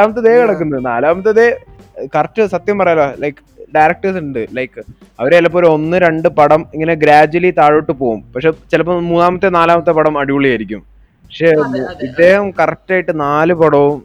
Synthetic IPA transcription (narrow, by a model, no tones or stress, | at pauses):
aːmɐt̪ːɐðeːkɐɽɐk̬ːunːɐðnaːlaːmɐt̪̬ːɐðe | kɐrɐʈːɨsɐt̪jɐmpɐrɐjɐloːlɐjkːɨ̥ɖajɾɐk̚ʈɐrsuɳɖɨlɐjkːɨ | ɐʋɐɾeɐlːɐpːoːloo̞nːɨɾe̞ɳɖɨpɐɽɐmiŋːɐneɡɾaːd͡ʑuwɐlit̪aːɻoʈːɨpo̞ːɣumpɐkʂet͡ɕilɐp̬ːoːmuːnaːmɐt̪ːenaːlaːmɐt̪ːepɐɽɐmɐɽiʋuɭːijaːjɾikʲːum | pɐkʂeːmuid̪ːe̞ːhɐmkɐrɐtːaːjiʈːɨnaːlɨpɐɽɐʋum